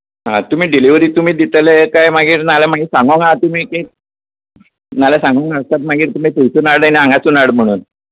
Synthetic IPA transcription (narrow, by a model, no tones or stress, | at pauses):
ɦã̰t̪um̤iːɖiliʋɾiːt̪um̤iːd̪it̪leekajmaɡiːɾnalamaɡiːsãŋɡoŋat̪um̤iːke | nalasãŋɡoŋast̪at̪̚maɡiːɾt̪um̤iːp̪ujsunaɽaniãŋɡat͡sunaɽm̤əɽ̃uːn